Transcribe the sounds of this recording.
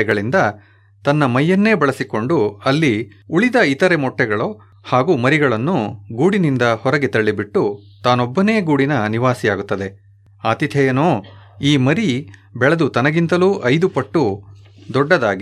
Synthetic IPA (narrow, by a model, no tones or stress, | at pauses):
ɛɡɐɭind̪ɐ | t̪ɐnːɐmɐjːɐnːe̞ːbɐɭɐsiko̞ɳɖuɐlːi | uɭid̪ɐit̪ɐɾe̞mɔʈːɛɡɐɭo | haːɡuːmɐɾiɡɐɭɐnːuɡuːɽinind̪ɐhɔɾɐɡe̞t̪ɐɭːibiʈːut̪aːnobːɐneːɡuːɽinɐniʋaːsijaːɡut̪ːɐd̪e̞ | aːt̪it̪ʰɛjɐnoːiːmɐɾi | bɛɭɐd̪ut̪ɐnɐɡint̪ɐluːʔɐjd̪upɐʈːu | d̪ɔɖːɐd̪aːɡi